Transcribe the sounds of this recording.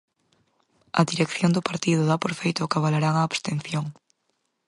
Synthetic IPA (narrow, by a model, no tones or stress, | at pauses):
ɐðiɾekθjond̪ʊpaɾt̪iðʊðapoɾfejt̪ʊkaβalaɾaŋaːβst̪enθjoŋ